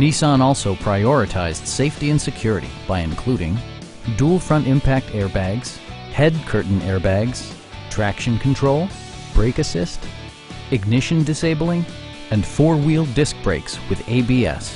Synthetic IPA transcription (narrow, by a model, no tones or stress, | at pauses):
nisɑ̃nɔlˠsoʊpʰɹ̥aɪɔɹɨtʰaɪzd̥seɪftiɨ̃nsɨkʰj̥ʊɹɨɾḭb̥aɪɨ̰̃nkʰl̥uɾɪ̰̃ŋ | dulˠfɹʌ̃ntɪ̃mpʰæk̚tʰɛɹbæɡz̥hɛd̚kʰɜ˞ʔn̩ʔɛɹbæɡz̥ | tʰɹ̥ækʃɨ̃nkʰn̩tʰɹ̥oʊlˠ | b̥ɹeɪkɨsɪst | ɨɡ̚nɪʃɨ̃ndɨseɪbl̩ˠɪ̃ŋ | ɨ̃nfɔɹwilˠdɪsk̚b̥ɹeɪkswɨðeɪbiɛ̰s